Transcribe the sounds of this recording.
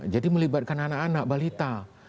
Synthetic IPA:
d͡ʒadiməlibat̪̚kananakanak̚balit̪a

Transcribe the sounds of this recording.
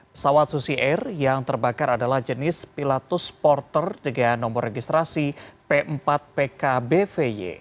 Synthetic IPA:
pə̥sawat̪susiʔɛrjaŋt̪ərbakaɾadalahd͡ʒənɪspilat̪ʊspɔrt̪ərdəɡanːɔmbɔreɡist̪ɾasipeʔəmpat̪̚pekabefejḛ

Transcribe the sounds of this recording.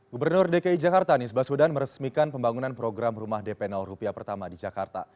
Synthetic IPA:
ɡubərnʊrdekaid͡ʒakart̪anisbasudanməɾəsmikanpəmbaŋunanpɾoɡɾamrumahdepɛnalrupiapərt̪amadid͡ʒakart̪a̰

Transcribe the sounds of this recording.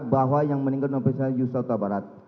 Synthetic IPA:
baɦwajaŋmənĩŋɡatnɔpesajusat̪abaɾat̪̚

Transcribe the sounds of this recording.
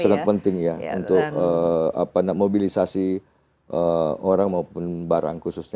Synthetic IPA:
saŋət̪̚pənt̪ɪŋjaṵnt̪ʊkəa̰panamobilisasi | ʔəoɾaŋmaupʊnbaɾa̰ŋkususɲa

